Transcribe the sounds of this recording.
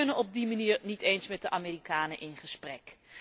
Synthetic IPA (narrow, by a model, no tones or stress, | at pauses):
nənɔb̚dimaniːɹnitejnsmɛt̚dəʔamiːrikaːnəʔɪnχəsprɛk